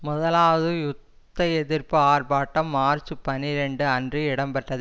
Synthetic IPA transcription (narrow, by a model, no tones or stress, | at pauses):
mʊðɐlaːʋɐðɯjʊt̪ːɐɛðɪɾpɯaːrbaːʈːɐmːaːrt͡ʃɯpɐnɪɾɛɳɖɯɐndrɯɪɽɐmpɐʈːɐðɯ